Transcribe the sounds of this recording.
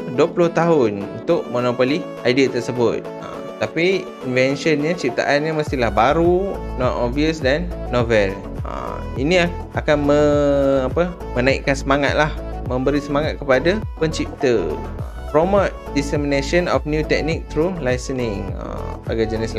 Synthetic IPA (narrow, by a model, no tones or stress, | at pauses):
duəpulʊht̪aɦʊnṵnt̪ʊʔ̚mɔnopoli | ajdiat̪ərsəbʊt̪̚ə̰mt̪api | invɛnʃənɲat͡ʃip̚t̪a̰ʔanɲəməst̪ilahbaɾunɔt̪ɔviəsdanːovɛl | ʔə̰ | ḭnĩa | ʔakanməapə | mə̃naḭʔkansəmaŋa̰t̪̚lah | mə̃mbəɾisəmaŋat̪̚kəpadapəɲt͡ʃip̚t̪ə | ə | pɾomat̪̚disɛmineʃənɔfnjut̪ɛk̚nik̚t̪ɾulajsənɪŋə̰baɡajd͡ʒənɪs